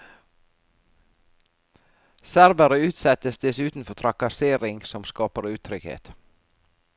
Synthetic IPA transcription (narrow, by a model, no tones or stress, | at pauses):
sæɾʋəɾəʉːt̪sɛt̪əsd̪ɛsʉːt̪n̩fɔt̪ʰɾɑkɑseːɾɪŋsɔmskɑːpəɾʉːt̪ʰɾʏɡhḛːt̪